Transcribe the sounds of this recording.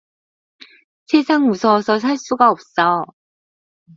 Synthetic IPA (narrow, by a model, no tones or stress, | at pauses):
sʰesʰaŋmusʰʌsʰʌs̬ʰaɭs͈uɡaʌp̚s͈ʌ